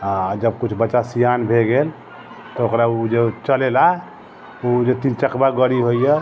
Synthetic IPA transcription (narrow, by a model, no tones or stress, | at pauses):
ãd͡ʒəbkut͡ʃʰbəːt͡ʃasijanbʱeɡel | t̪ɔokɾaud͡ʒet͡ʃəlela | ud͡ʒet̪int͡ʃəkbaɡəɽiɦojje